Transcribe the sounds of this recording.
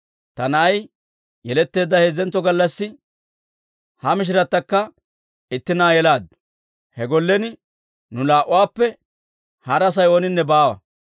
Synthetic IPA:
t̪ɐnɐʔɐj | jɛlɛt̪ːe̞ːd̪ːɐheːzɛnt̪ːɔɡɐlːɐsːɪ | hɐmɪʃ̬ɪɾɐt̪ːɐkːɐ | ɪt̪ːɪnaːjɛlaːd̪ | hɛɡɔlːɛnɪ | nʊlaːʔʊwaːpːɛ | hɐɾɐs̬ɐjo̞ːnɪnːɛbaːwɐ̰

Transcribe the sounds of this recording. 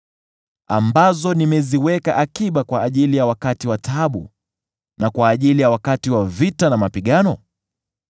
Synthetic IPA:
ambazɔnimɛziwɛka̰ʔakiɓakwaːʄilijawakatiwatʰaɓṵ | nakwaːʄilijawakatiwavitanamapiɠanɔ

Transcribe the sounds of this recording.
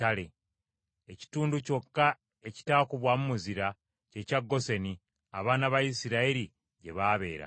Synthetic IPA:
ale̞ | eci̥tuːnduco̞kːa | e̞ci̥taːkuβwamumuziɾa | ce̞caɡːo̞se̞ni | a̰βaːnaβaisiɾaiɾi | ɟe̞βaːβe̞̰ːɾa̰

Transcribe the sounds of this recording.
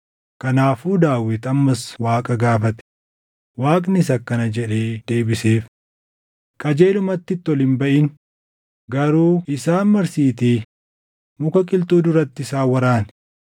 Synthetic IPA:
kɐnaːfuːd̪aːwɪt̪ɐmːɐswaːkʼɐɡaːfɐt̪ɛ̥ | waːkʼnɪs̬ɐkːɐnɐd͡ʒɛᶑe̞ːd̪̥e̞ːbɪse̞ːf | kʼɐd͡ʒe̞ːlʊmɐt̪ːɪt̪ːɪɔlɪnbɐʔɪn | ɡɐɾuːɪsaːnmɐɾsiːt̪iː | mʊkɐkʼɪlt̪uːd̪ʊɾɐt̪ːɪsaːwɐɾaːn

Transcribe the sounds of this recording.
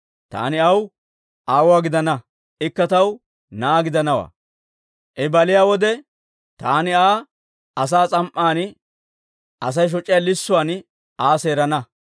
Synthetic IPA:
t̪a̰ːnɪɐw | ʔaːwʊaːɡɪd̪ɐnɐ | ɪkːɐt̪ɐw | naːɡɪd̪ɐnɐwa̰ː | ʔɛbɐlɪjaːwɔd̪ɛ | t̪aːnɪaː | ɐs̬aːt͡sʼɐmʔːaːn | ɐs̬ɐjʃ̬ɔt͡ʃʼːɪjalɪsːʊwaːn | aːse̞ːɾɐnɐ

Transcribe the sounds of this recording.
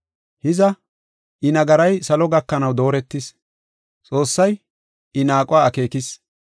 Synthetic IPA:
hɪzɐ | ʔɪnɐɡɐɾɐjsɐlɔɡɐkːɐnɐwd̪o̞ːɾɛt̪ːɪs | t͡sʼo̞ːsːɐj | ɪnaːkʼʊaːɐke̞ːkɪs

